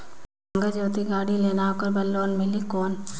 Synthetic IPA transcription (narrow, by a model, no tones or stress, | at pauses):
ŋɡəd͡ʒoːt̪iɡaːɽileːnaːkəɾbɐlːoːnmɪlikoːn